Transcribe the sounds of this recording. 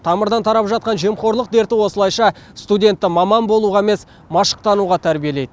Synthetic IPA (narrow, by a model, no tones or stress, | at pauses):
t̪ʰɑməɾd̪ɑnt̪ʰɑɾɑpʒɑt̪̚qɑnʒe̞mχo̞ɾlˠəq̚d̪e̞ɾt̪ɪwo̞səlˠɑjʃɑ | st̪udʲe̞nt̪ːɪmɑmɑnbo̞lˠuʁɑeme̞s | mɑʃə̥q̚t̪ɑnuʁɑt̪ʰæɾbie̞le̞jd̪ɪ